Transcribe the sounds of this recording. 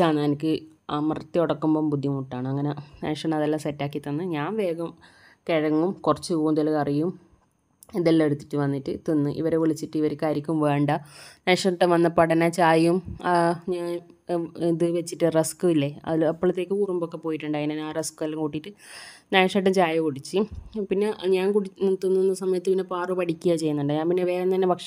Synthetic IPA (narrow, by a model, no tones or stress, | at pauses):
t͡ɕaːnaɐnikʲːɨɐmɐrɐt̪ːioɽɐkːumbombud̪ʱːjimuʈːaːɳɨɐŋːɐnenḛːʂɐnɐðelːaːmsetːaːkːit̪ːɐnːɨɲaːnʋe̞ːɡɐm | keɻɐŋːumkurɐt͡ɕːɨkoːumt̪elɐɣɐrijum | iðelːeɽut̪ːi̥ʈːɨʋɐnːiʈːɨt̪inːɨʔḭʋɐɾeʋiɭit͡ɕːiʈːɨiʋɐɾekʲːaːɾjikʲːumʋe̞ːɳɖɐneːʂɐmʈːeʋɐnːɐpɐɽɐnat͡ɕaːjumɐɲaːn | iðɨʋet͡ɕːiʈːɨreskɨilːeɐ̰ðilɐpːɐɭɐt̪ːe̞ːkʲːɨuːrumbokːepo̞ːjiʈːuɳɖaːŋːineaːreskɨɐlːɐkuʈːiʈːɨnaːʂɐʈːɐmt͡ɕaːjɐkuɽit͡ɕːɨpinːe̞ɲaːnkuɽinit̪ːunːinːɐsɐmɐjɐt̪ːɨpinːepaːrɨpɐʈikʲːuɣjat͡ɕe̞jːunːuɳɖɨɲaːnpinːeʋeːlent̪ɐnːepɐkʂɐ